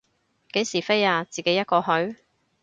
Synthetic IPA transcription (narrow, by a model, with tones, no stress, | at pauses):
ke˨˥jsiː˨˩fe˥jaː˧t͡siː˨ke˨˥jɐ˥t̚kɔː˧ɦɵ˨˥ɥ